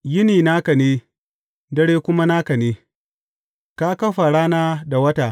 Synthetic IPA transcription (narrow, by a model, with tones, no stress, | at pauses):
jɪ˦niː˨na˦kɐ˨neː˦ | dɐ˦ɽeː˦kʷʊ˦ma˦na˦kɐ˨neː˦ | ka˦kɐ˦ɸa˨ɽaː˦naː˦da˨wɐ˦taː˨